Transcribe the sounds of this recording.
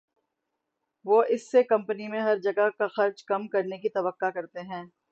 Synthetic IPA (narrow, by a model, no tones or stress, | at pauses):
ʋoːʔɪsːekɐ̃mpənimẽɦɐɾd͡ʒɐɡakaxɐɾd͡ʒkɐmkɐɾnekit̪ɐʋəqːakɐɾt̪eɦɛ̃ː